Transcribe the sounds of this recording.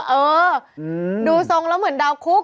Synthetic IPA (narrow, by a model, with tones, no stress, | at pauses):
ʔɤː˧ | duː˧so˧ŋlɛ˦˥wmɯ˩˦ə˦ndaː˧wkʰu˦˥k̚